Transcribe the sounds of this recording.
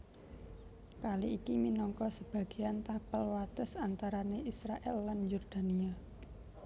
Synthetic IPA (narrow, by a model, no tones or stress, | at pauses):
kaliʔikiminɔŋkɔsəb̥ä̤ɡ̥e̤ant̪apəlwat̪əsant̪aɾaneisɾaʔɛlːanjurd̪̥a̤nia